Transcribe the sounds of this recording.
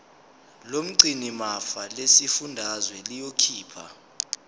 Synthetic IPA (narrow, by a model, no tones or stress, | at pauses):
lom̩ǀinimafalesifundʱazwɛlijokʰiːpʰa̰